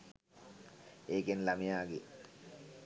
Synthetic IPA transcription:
eːkenlamijaːɡe

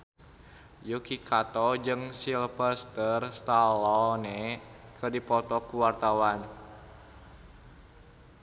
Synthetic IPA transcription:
jukikʰat̪ɔd͡ʒɨŋsilpəst̪ərst̪alɔnɛkərdipɔt̪ɔkuwart̪awan

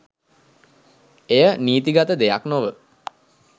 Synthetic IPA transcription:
ejəniːt̪iɡat̪əd̪eja̰knoʋə

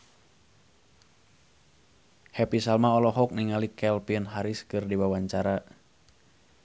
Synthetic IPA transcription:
hɛpisalmaɔlɔɦɔk̚niŋalikɛlpinɦaɾiskɨrdiwawaɲt͡ʃaɾa

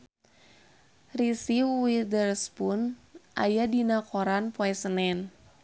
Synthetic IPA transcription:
risiwidərspʊnʔa̰jadinakoɾanpoɛsənɛn

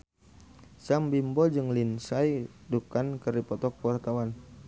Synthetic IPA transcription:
sambimbɔd͡ʒɨŋlinsajdukankərdipɔt̪ɔk̚əwart̪awan

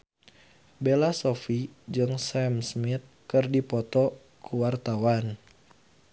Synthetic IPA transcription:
belasofid͡ʒɨŋsɛmsmit̪̚kɨrdipɔt̪ɔ | kuwart̪awan

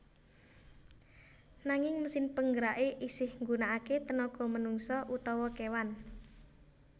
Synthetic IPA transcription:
naŋɪŋməsɪnpəŋɡəɾaʔeʔisɪhŋɡunaʔaket̪ənɔɡ̥ɔ̤mənuŋsɔʔut̪ɔwɔkewan

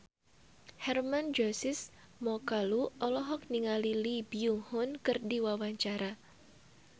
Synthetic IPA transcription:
hɛrmand͡ʒɔsɪs | mɔkaluɔlɔɦɔk̚niŋalilibiuŋhʊnkɨrdiwawaɲt͡ʃaɾa

